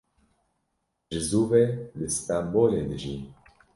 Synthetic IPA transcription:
ʒɨzuːvelɨst̪amboːlend̪ɨʒi

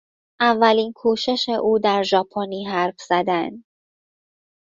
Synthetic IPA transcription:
ʔævːæliːnkʰuːʃe̞ʃeʔuːd̪æɾʒɒːpʰoniːɦæɾfz̥æd̪ænd̪

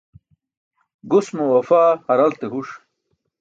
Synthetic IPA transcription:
ɡusmowɐfaːhɐɾɐlt̪eɦuʂ

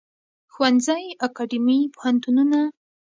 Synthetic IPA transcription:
xwanzajakaɖimipʊhant̪ununa

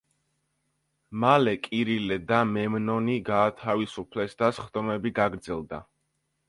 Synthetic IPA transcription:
malɛkʼiɾilɛd̪amɛmnɔniɡaːt̪ʰavisupʰlɛsd̪asχd̪ɔmɛbiɡaɡɾd̪zɛlˠd̪a̰

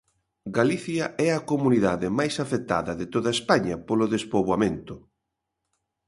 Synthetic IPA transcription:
ɡaliθjɐʔɛɐkomuniðaðɪmajsafet̪a̰ðɐðɪt̪oðɐespaɲɐpolʊðespoβwamẽnt̪ʊ

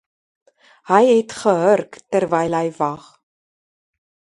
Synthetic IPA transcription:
həjɦɛtχəɦərktərvɛjlɦəjvɐχ

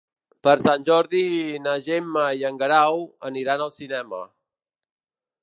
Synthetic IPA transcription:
pəɾsanʲʒɔɾðinəʒemːəiəŋɡəɾawəniɾanəlˠsinɛmə̰

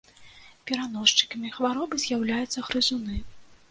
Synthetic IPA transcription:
pʲɛɾanɔʂt͡ʂɨ̥kɐmʲixvaɾɔbɨzʲjawlʲajut̪sːɐɣɾɨzunɨ

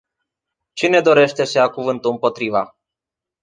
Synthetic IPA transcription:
t͡ʃine̞d̪o̞ɾe̞ʃt̪e̞səjakuvɨnt̪uɨmpo̞t̪ɾiva̰

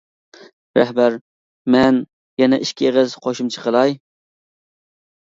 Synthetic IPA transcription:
ɾæ̰hbæɾ | mɛn | jɛnɛʔiʃkʲʰieʁɪzqʰoʃɪmt͡ʃʰə̥qʰəlˠɑj

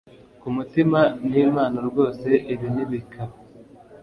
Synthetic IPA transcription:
kumutimaniːmaːnoɾɡo̞ːse̞ʔiβiniβikʰa

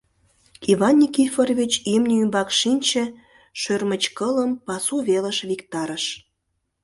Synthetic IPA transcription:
iβɑnʲːikiforβʲit͡ɕimnʲəymbɑkʃinʲt͡ɕĕ | ʃørmət͡ɕkələmpɑsuβelə̆ʃβikt̪ɑɾəʃ

